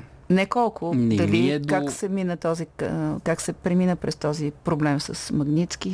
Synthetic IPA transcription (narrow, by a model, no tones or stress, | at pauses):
nɛkɔlˠkʊnd̪ɐlikaksɛminət̪ɔzikaksɛpɾɛminəpɾɛst̪ɔzipɾoblɛmsəsmɐɡnit̪ski